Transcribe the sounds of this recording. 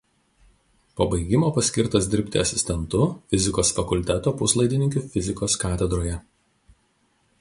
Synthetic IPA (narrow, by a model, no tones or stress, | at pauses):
poːbɐɪɡʲɪmoːpɐsʲkʲɪɾt̪ɐs̬d̪ʲɪɾʲpʲt̪ʲɪɐsʲɪsʲt̪ʲɛnt̪ʊfʲɪzʲɪkoːsfɐkʊlʲt̪ʲɛt̪oːpʊslˠɐɪd̪ʲɪnʲɪŋʲkʲʊfʲɪzʲɪkoːskɑːt̪ʲɛd̪ɾoːjɛ